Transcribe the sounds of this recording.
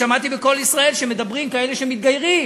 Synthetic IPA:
amat̪ibeko̞lisʁae̞lʃeme̞d̪abʁimkae̞leʃemit̪̚ɡajʁi

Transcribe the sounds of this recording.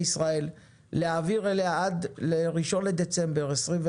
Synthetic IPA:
isʁae̞lː | eaviʁeleaad̪leʁiʃo̞nled̪et͡se̞mbe̞ʁesʁimve

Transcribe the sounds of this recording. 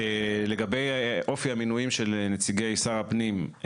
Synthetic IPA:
ele̞ɡabe̞jʔo̞fiaminujimʃe̞lnet͡siɡejaisaʁapnim

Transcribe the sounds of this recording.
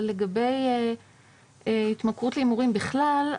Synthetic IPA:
le̞ɡabe̞j | hit̪makʁutleimuʁimbiχlal

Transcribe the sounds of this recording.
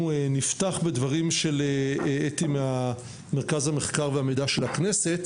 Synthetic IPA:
ueniftaχbe̞dvaʁimʃe̞leeetimeha | me̞ʁkazhame̞χkaʁveamejdaʃelakne̞se̞t

